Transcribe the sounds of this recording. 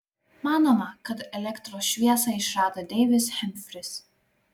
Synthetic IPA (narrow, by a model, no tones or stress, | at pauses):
mɑːnoːmɐkɐt̪ɛlʲɛkt̪ɾoːsʃʲʋʲiɛsɑɪʃɾɑːd̪ɐd̪ʲɛːʋʲɪshʲɛmʲfʲɾʲɪs